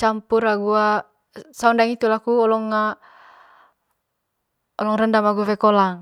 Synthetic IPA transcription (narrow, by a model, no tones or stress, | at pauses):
t͡ʃampuɾaɡua | saundaŋit̪ulakuɔlɔŋːa | ɔlɔŋrəndamaɡuafɛkɔlaŋ